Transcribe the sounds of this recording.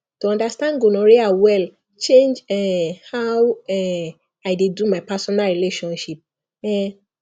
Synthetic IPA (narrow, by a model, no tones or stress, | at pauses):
tuɔ̃ndastãnɡunɔɹiawɛl | t͡ʃẽnd͡ʒɛhawɛ | aɪdedumaɪpasɔnalɹileʃɔ̃nʃip̚ | ɛ